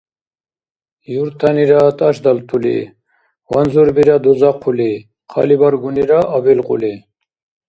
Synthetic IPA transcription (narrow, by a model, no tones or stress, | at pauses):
juɾt̪ʰaniɾat̪ʼaʃd̪alt̪ʰulḭ | wanzuɾbiɾad̪uzaqʰːuli | qʰa̰libaɾɡuniɾaʔːbilqʼṵli